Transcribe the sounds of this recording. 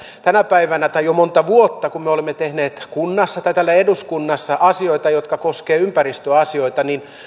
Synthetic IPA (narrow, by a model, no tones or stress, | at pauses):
t̪ænæpæiʋænæt̪ɑijomont̪ɑʋuot̪ːɑkummeolemːet̪ehneːt̪kunːɑsːɑt̪ɑit̪ælːæeduskunːɑsːɑʔɑsioit̪ɑjot̪kɑkoskeːympærist̪øɑsioit̪ɑnin